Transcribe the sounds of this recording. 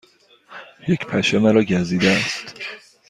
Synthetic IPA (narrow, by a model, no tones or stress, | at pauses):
jecpʰæʃemæɾɒːɟæziːd̪eæst̪